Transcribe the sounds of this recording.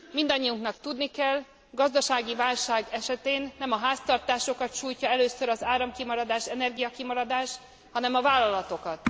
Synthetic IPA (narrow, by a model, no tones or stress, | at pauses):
mind̪ɒɲːijuŋknɒkt̪ud̪nikɛl | ɡɒzd̪ɒʃaːɡivaːlʃaːɡɛʃɛt̪eːnːɛmɒɦaːst̪ɒrt̪aːʃo̞kɒt̪ʃuːjcɒɛløːsøɾɒzaːɾɒmkimɒɾɒd̪aːʃɛnɛrɡijɒkimɒɾɒd̪aːʃ | hɒnɛmɒvaːlːɒlɒt̪o̞kɒt̪